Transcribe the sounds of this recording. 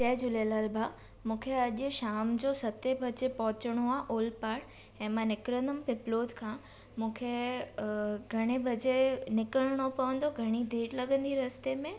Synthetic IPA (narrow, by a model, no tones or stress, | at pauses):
t͡ɕɐɦd͡ʑʊlelaːlba | mũːkʰeɐʄʊ̆ʃaːmd͡ʑoːsɐt̪ebʱɐd͡ʑepɐɦʊt͡ɕəɽ̃oaːʔoːlpaːʈ | ɛ̃ːmãnɪkɾə̃nd̪ʊmpɪploːd̪kʰã | mũːkʰe | ɡʱɐɽ̃ebʱɐd͡ʑenɪkəɽ̃ɽ̃opɐʋə̃nd̪oɡʱɐɽ̃id̪ʱeːʈlɐɡə̃nd̪iɾɐst̪emẽ